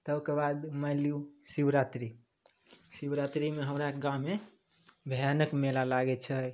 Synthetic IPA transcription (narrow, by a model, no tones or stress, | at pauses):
t̪əbkebad̪maljusibɾat̪ɾi | sibɾat̪ɾimeɦəmɾaɡãme | bʱəjanəkmelalaɡɛt͡ʃʰə